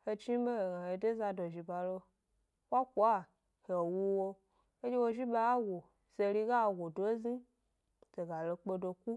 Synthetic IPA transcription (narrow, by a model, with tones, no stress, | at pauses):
he˧t͡ʃi˦be˦e˨ɡa˨he˨de˦za˧do˨ʒi˨ba˨lo˧ | wa˦ku˨a˦ | he˨wu˦wo˧ | e˦d͡ʒe˦wo˧ʒi˦ɓa˧˦a˦wo˨ | ze˧ɾi˧ɡa˦˨ɡʷo˨do˨˦zi˦ | te˨ɡa˨lo˧k͡pe˧do˧ku˦